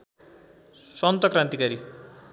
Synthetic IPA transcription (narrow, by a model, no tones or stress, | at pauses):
sʌnt̪ʌkrãnt̪ikaɾi